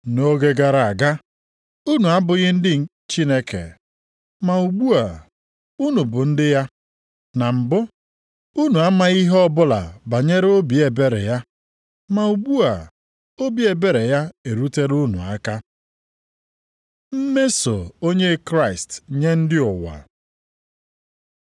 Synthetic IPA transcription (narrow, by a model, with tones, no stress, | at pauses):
no˦ɡe˦ɡa˨ɾa˨a˨ɡa˦ | u˦nu˨a˦bʊ˨ɣɪ˦n̩˦dɪ˦˨ | t͡ʃi˦ne˦kḛ˨ | ma˨u˨ɡ͡bu˦a˨ | u˦nu˨bʊ˨n̩˦dɪ˦ja˦ | na˨m̩˨bʊ˦ | u˦nu˨a˦ma˦i˦ɦɔ˦bʊ˦la̰˨ba˨ɲe˦ɾe˦o˦bi˨e˨be˦ɾḛ˨ja˦ | ma˨u˨ɡ͡bu˦a˨ | o˦bi˨e˨be˦ɾe˨ja˦e˨ɾu˦te˦ɾu˦nṵ˨a˦ka˦ | m̩˦me˦so̰˨o˦ɲe˦kɾa˦ɪ˨stɲe˦n̩˦dɪ˦ʊ˨wa̰˨